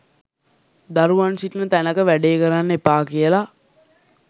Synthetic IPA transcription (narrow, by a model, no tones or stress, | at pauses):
d̪aɾuʋansiʈnət̪ænəkəʋæɖeːkəɾanːepaːkijəla